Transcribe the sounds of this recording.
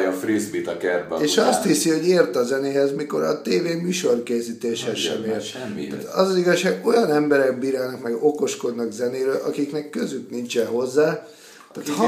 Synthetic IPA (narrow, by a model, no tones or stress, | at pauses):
jɒfrizbit̪ɒkɛrbɛeːʃɒst̪hisiho̞ɟeːrt̪ɒzɛneːɦɛzmiko̞ɾɒ̰t̪eːveːmyːʃo̞rkeːzit̪eːʃhɛʃɛ̰meː | at̪ɒzɒziɡɒʃːaːɡo̞jɒnɛmbɛɾɛk̚biːɾaːnɒkmɛɡoko̞ʃko̞d̪nɒkzɛneːɾøːlʔɒ̰kiknɛkːøzyknint͡ʃɛɦo̞zːaː | t̪aːt̪h